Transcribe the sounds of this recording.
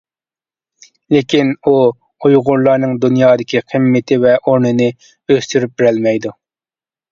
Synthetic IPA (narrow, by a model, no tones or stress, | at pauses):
lɪkʲinu | ojʁʊɾlˠɑɾnɨŋd̪unjɑːd̪ɪkʲiqʰəmːɪt̪ʰɪvɛʔoɾnɨnɨ | øst̪yɾyp̚bɪɾɛlmɛjd̪u